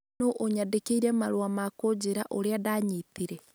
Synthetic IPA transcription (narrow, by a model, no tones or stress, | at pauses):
noʔoɲadekeiɾɛmaɾoamakod͡ʑeɾaʔoɾeadaːɲitiɾɛ